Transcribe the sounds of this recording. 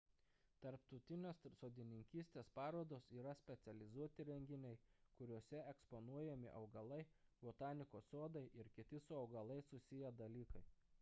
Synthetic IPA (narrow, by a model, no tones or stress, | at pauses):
t̪ɐɾpt̪ɔʊt̪ʲɪnʲoːssoːd̪ʲɪnʲɪŋʲkʲiːsʲt̪ʲeːspɑːɾoːd̪oːsiːɾɐsʲpʲɛt̪sʲɛlʲɪzuɔt̪ʲɪɾʲɛŋʲɡʲɪnʲɛɪkʊɾʲuɔsʲɛɛkspɔnuɔjɛmʲɪ̰ʔɒʊɡɐlˠɐɪbot̪ɑːnʲɪkoːsoːd̪ɐɪʔɪɾkʲɪt̪ʲɪsʊɒʊɡɐlˠɐɪsʊsʲɪjɛd̪ɐlʲiːkɐɪ